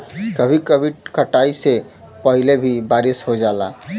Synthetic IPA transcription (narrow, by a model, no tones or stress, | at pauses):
kəbʱikəbʱiʈkəʈaise | pəɦilebʱibaɾisɦod͡ʒala̰